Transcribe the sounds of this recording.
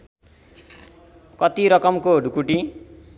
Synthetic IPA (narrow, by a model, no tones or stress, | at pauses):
kʌt̪iɾʌkʌmkoɖʱukuʈi